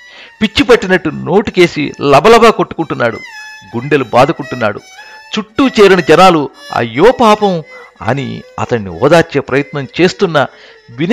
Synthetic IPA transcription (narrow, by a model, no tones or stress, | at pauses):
pit͡ʃːipɐʈːinɐʈːuno̞ːʈit͡ʃe̞ːsḭlɐbʱɐlɐbɐːko̞ʈːu̥kuɳʈunːaːɽṵɡuɳɖe̞lubaːd̪ʱukuɳʈunːa̰ːɽṵt͡ʃuʈːuːt͡ʃeːɾinɐd͡ʒɐnaːluɐ̰jːoːpaːpɐmɐ̰nḭɐ̰t̪ɐɳːḭɔ̰ːd̪aːɾt͡ʃe̞ːpɾɐjɐt̪nɐmt͡ʃe̞ːst̪unːɐ | ʋin